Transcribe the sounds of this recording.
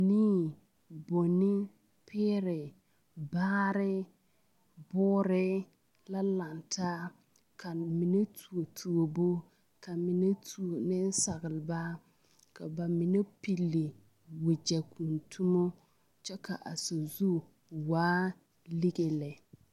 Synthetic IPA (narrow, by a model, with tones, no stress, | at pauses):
niː˦ | bo˨nɪ˦ | pʰɪː˦ɾɪ˨ | baː˦ɾɪ˦ | bʊː˦ɾɪ˦ | la˦la˨ntʰa˦ | kʰa˨mɪ˨ne˦tʰu˨o˨tʰu˨o˨bo˦ | ka˨mɪ˨ne˦tʰu˨o˨nɪ˦n̩˦sa˨ɣɪ˨lɪ˨ba˦ | ka˨ba˨mɪ˨ne˦pi˨lːɪ˨ | wʊ˨d͡ʒɛ˨ku˨ntʰu˦mo˦ | t͡ʃɛ˦ka˨ʔa̰˨so˨zu˦ | waː˦ | li˦ɡe˨lɛ˨